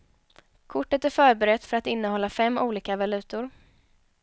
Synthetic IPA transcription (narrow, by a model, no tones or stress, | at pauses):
kʰʊʈːət̪æɾfœːɾbɛɾɛt̪ːfœɾat̪ɪnːəhɔlːafɛmːʔuːliːkavalʉ̟ːt̪ʊɾ